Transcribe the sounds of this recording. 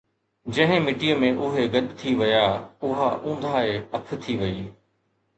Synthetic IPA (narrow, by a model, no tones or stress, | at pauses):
d͡ʑɐ̃ɦɪ̃mɪʈijəmẽʔʊɦeɡɐɗ̪t̪ʰiʋɐjaʊɦaʔũːnd̪ʱaːeɐp̆ʰt̪ʰiʋɐiː